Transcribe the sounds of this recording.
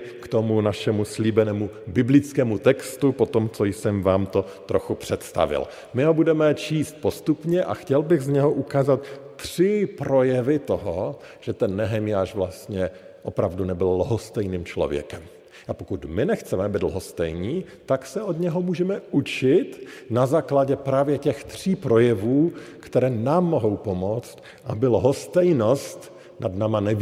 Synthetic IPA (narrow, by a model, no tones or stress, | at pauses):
kt̪omunaʃɛmusliːbɛnɛːmu | bɪblɪt͡skɛːmut̪ɛkst̪upo̞t̪omt͡sojsɛmvaːmt̪o̞ | t̪ɾoxupr̝̥ɛt̪st̪a̰vɪ̰l | mɪɦobudɛmɛt͡ʃiːst̪̚post̪upɲɛʔa̰xcɛlbɪɣzɲɛɦoʔukaːzat̪ːr̝̥ɪpɾo̞jɛvɪt̪oɦo | ʒ̥ɛt̪ɛnːɛɦɛmjaːʃvlast̪ɲɛʔo̞pɾavdunɛbɪllɦost̪ɛjniːmt͡ʃlo̞̰vjɛ̰kɛm | ʔapokut̪mɪnɛxt͡sɛmɛabɪd̪lɦost̪ɛjɲiː | t̪aksɛʔod̪ɲɛɦomuːʒɛmɛʔut͡ʃɪt̪nazaːklaɟɛpɾaːvjɛcɛxt̪r̝̥iːpɾo̞jɛvuːkt̪ɛɾɛːnaːmːoɦowpo̞mot͡st̪ | ʔabɪlɦost̪ɛjno̞st̪ | nadnaːmanɛv